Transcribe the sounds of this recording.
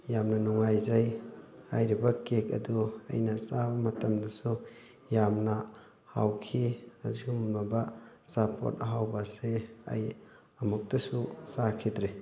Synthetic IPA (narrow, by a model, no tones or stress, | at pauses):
jamnɐnuŋajzaja̰jɾibɐkek̚ɐ̰duɐ̰jnɐsabɐmɐtɐmdɐsu | jamnɐ | ha̰wkʰiɐziumnaba | sapʰo̰t̚ɐɦawbaseɐ̰j | ɐmuk̚tɐsusakʰidɾi